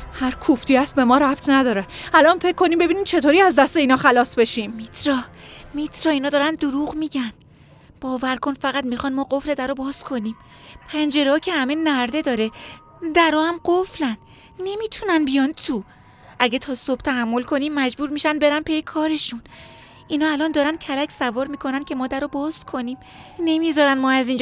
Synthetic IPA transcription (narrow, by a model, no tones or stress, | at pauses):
hæɾkʰuft̪iæst̪̚be̞mɒːɾæpt̪ʰnæd̪ɒːɾeælɒnfe̞cʰːoniːmbe̞biːniːmt͡ʃʰe̞t̪ʰoːɾiæzd̪æst̪e̞iːnɒːxælɒːsbe̞ʃiːmmit̪ʰɾɒːmit̪ʰɾɒːiːnɒːd̪ɒːɾænd̪oɾuːʁmiːɟæn | b̥ɒːvæɾkʰo̞nfæɣæt̪mixɒnmɒːɢo̞fle̞d̪æɾɔbɒːz̥kʰo̞niːm | pʰænd͡ʒe̞ɾeɒːcʰe̞hæme̞næɾd̪e̞d̪ɒːɾe | d̪æɾɔːæmɢoflæn | ne̞miːt̪ʰunænbijɒnt̪ʰu | ʔæɟet̪ʰɒːso̞b̥t̪ʰæɦæmːo̞lkʰo̞nimːæd͡ʒbuːɾmiːʃænbe̞ɾænpʰejekʰɒːɾe̞ʃun | ʔinɒːælɒːnd̪ɒːɾænd̪̥̚cʰælæcʰsævɒːɾmiːkʰo̞nænkʰe̞mɒːd̪æɾɔbɒːz̥kʰo̞niːm | ne̞mizɒːɾænmɒːæziːnd͡ʒ